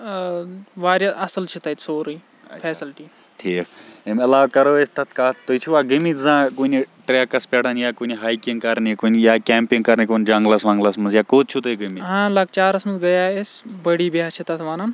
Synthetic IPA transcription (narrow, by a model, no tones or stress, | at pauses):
ʋaːɾjaɐsəlt͡ʃʰit̪ɐt̪soːɾɨi | fʰɛːsilʈiː | ʈʰiːkemɐlaːʋkɐɾoːest̪ɐt̪ʰkaːtt̪ot͡ʃʰuaːɡɨmit̪zãːkuːniʈɾeːkɐspʲeɽanjaːkuniɦaːjkiŋɡkɐɾnikuːnijaːkʲɛːmpĩŋkɐɾnikoːnd͡ʒãːŋɡlɐsʋãːŋɡlɐsmɐnzjaːkoːt̪̚t͡ʃʰut̪ɐiɡɨmiɦãːlɐk̚t͡ʃaːɾɐsmɐnzɡɐjaːesbɐɽiːbiaːt͡ʃʰit̪ɐt̪ʰʋaːnan